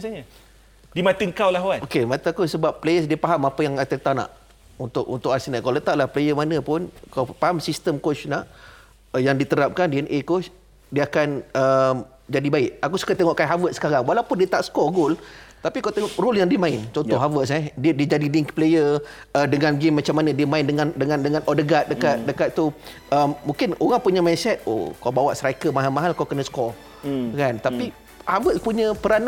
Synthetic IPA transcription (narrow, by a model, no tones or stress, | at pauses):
asaɲə | dimat̪əŋkawlaɦwanokemat̪aakusəbapːlejəsdiəpaɦamapəjaŋat̪ət̪ana̰ʔ | unt̪ʊkunt̪ʊkasinaʔ̚kawlət̪aʔlahplejəmanə̃pʊnkapaɦamsist̪əmkot͡ʃnaʔ | jaŋdit̪əɾap̚kandiɛnʔekos | diəakanəm | d͡ʒadibaɪʔ̚akusu̥kat̪eŋɔʔkanɦavət̪̚sə̥kaɾaŋwalaupʊndiət̪aʔsə̥kɔɡʊlt̪apikawt̪eŋɔʔrɔljaŋdiəmãɪnt͡ʃɔnɔɦavəʔs̬ɛdiədiəd͡ʒadidiŋkplejə | ədəŋanɡemːat͡ʃamːanə̃diəmãɪndəŋandəŋãndəŋanʔɔdəɡat̪̚dəkat̪̚dəkat̪̚t̪ːu | əmːũŋkɪnoɣaŋpuɲəmainsɛt̪̚o̰kawbawaʔsɾakəmaɦalmaɦalkawkənəsə̥kɔr | kant̪api | havət̪̚puɲə̃pəɾana